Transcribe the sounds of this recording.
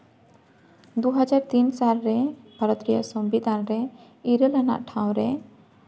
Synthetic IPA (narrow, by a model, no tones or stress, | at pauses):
d̪uɦad͡ʒaɾt̪insalɾɛbʱaɾɔt̪ɾija̰ʔsɔmbid̪anɾɛ | iɾəlana̰ʔʈʰãw̃ɾɛ